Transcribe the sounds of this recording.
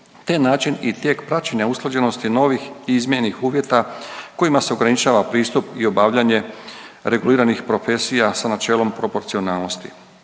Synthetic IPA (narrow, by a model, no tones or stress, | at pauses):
t̪enaːt͡ʃinit̪je̞ːkpɾat͡ʃeɲausklˠad͡ʑe̞no̞st̪ino̞ːʋixiizmjenixuːʋje̞t̪ako̞jimase̞oɡɾanit͡ʃaːʋapɾiːst̪upio̞baːʋʎaɲe̞ɾe̞ɡuliːɾanixpɾo̞fe̞sijasanat͡ʃe̞ːlo̞mpɾo̞po̞ɾt̪sio̞naːlˠno̞st̪i̥̰